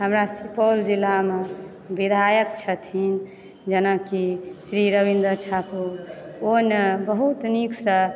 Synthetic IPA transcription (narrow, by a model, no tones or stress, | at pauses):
ɦəmɾasipɔld͡ʒilame | bid̪ʱajəkt͡ʃʰət̪ʰin | d͡ʒənakisɾiɾəβind̪əɾt͡ʃʰapuɾonebəɦut̪niksə